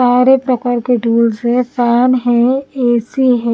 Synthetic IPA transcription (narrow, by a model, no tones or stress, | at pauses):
aːɾepɾəkaɾkeʈuːlzɦɛ̃saːnɦɛ̃eːsiɦɛ̃